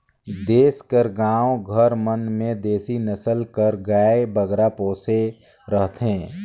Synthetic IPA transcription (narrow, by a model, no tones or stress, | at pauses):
d̪eːskəɾɡãːwɡʱəɾmənmẽd̪eːsinəsəlkəɾɡaːebəɡɾapoːse | ɾəɦt̪ɦẽː